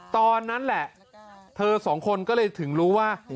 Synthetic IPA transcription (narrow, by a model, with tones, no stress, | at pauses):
t̪ɔː˧nːa˦˥nlɛ˨˩ʔ | t̪ʰɤː˧sɔː˩˦ŋkʰo˧nkɔː˥˩lɤː˧jt̪ʰɯ˩˦ŋɾuː˦˥waː˥˩